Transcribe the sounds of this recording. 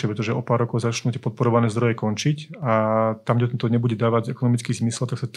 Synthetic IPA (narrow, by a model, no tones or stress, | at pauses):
ɛpɾɛt̪ɔʒɛʔɔpaːɾːɔkɔʊzat͡ʃnuːt̪ɪɛpɔt̪̚pɔɾɔʋanɛːzd̪ɾɔjɛkɔnt͡ʃicat̪amɡɟɛt̪ɔt̪ɔɲɛbuɟɛd̪aːʋaɟɛkɔnɔmit͡skiːzmisɛlt̪aksat̪